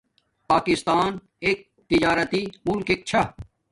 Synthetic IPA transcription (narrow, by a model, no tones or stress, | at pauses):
paːkist̪aːn | eːk̚ | t̪id͡ʑaːɾɐt̪imʊlkek̚t͡ɕʰɐ